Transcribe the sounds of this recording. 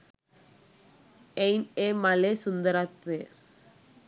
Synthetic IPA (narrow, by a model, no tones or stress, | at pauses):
ɛɪnemɐlesʊnd̪ɐɾat̪ʋeː